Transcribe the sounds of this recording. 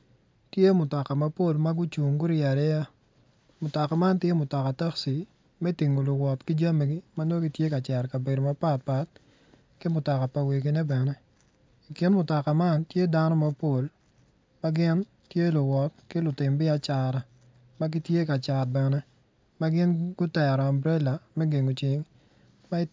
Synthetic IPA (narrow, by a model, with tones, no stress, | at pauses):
tje˦mʊ˨tɔ˨ka˨ma˨˦po˦˨lma˦ɡʊ˦t͡ʃu˨ŋɡʊ˦ɾɪa˨ɾɛ˦ja˦ | mʊ˨tɔ˨ka˨ma˦ntje˦mʊ˨tɔ˨ka˨ta˦ksi˨ | mɛ˦ti˨ŋo˨lʊ˨wɔ˨tkɪ˦d͡ʒa˦me˨ɡi˦ma˦no˦ɡi˦tje˦ka˨t͡ʃɛ˨ɾka˨be˨do˨ma˦pa˦t̚pa˨t̚ | kɪ˦mʊ˨tɔ˨ka˨pa˨we˨ɡi˨nɛ˦bɛ˨nɛ˦ | i˨kɪ˦nmʊ˨tɔ˨ka˨ma˦ntje˦da˦nɔ˦ma˨po˦˨l | ma˦ɡɪ˦n | tje˦lʊ˨wɔ˨t̚kɪ˦lʊ˨tɪ˨mbɪ˦a˨t͡ʃa˨ɾa˨ | ma˦ɡi˦tje˦ka˨t͡ʃa˨t̚bɛ˨nɛ˦ | ma˦ɡɪ˦nɡʊ˦tɛ˨ɾɔ˨a˨mbɾɛ˦la˨mɛ˦ɡe˨ŋo˨t͡ʃɪ˨ŋ | ma˦